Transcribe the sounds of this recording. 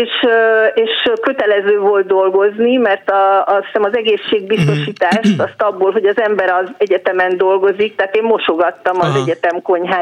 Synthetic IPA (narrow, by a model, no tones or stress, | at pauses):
eːʃeːʃkøt̪ɛlɛzøːvo̞lt̪̚d̪o̞lɡo̞znimɛrt̪ɒsi̥sɛmɒzɛɡeːʃːeːɡ̚bist̪o̞ʃiːt̪aːʃt̪ɒst̪ɒbːoːlɦo̞ɟɒzɛmbɛɾɒzɛɟɛt̪ɛmɛnd̪o̞lɡo̞zik̚t̪aːt̪eːmːo̞ʃo̞ɡɒt̪ːɒmɒzɛɟɛt̪ɛmko̞ɲɦaː